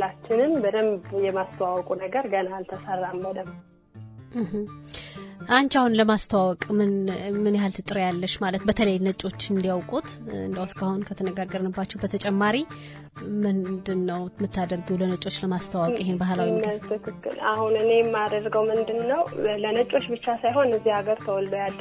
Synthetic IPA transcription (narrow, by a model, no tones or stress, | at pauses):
at͡ʃːɪnɨnbəd̪əmbjɛmast̪ʰəwawkʼunəɡəɾɡənalt̪ʰəsərːambəd̪əm̩ | h̩ | ʔaɲt͡ʃahunləmast̪ʰəwawɔkʼmɨnmɨnjɦalt̪ʰɨt̪ʼɨɾjalːəʃmalət̪bət̪ʰələjnət͡ʃʼo̞t͡ʃːɨnd̪iawkʼut̪ɨ̰nd̪əwskahonkʰət̪ʰənəɡaɡːəɾnɨbːat͡ʃːɛwbət̪ʰət͡ʃʼɛmːaɾi | mɨnd̪ɨnːəwmɨt̪ʰːad̪əɾɡəwlənət͡ʃʼo̞t͡ʃːləmast̪ʰawɔjɪhenbahlawimt̪ʰɨkʰɨkːɨ̰la̰hunɨnejɛmːad̪əɾɡəwmɨnd̪ɨnːəwlənət͡ʃʼo̞t͡ʃːbɨt͡ʃːasajɦo̞nɨzːiaɡəɾt̪ʰəwɔld̪əjalːə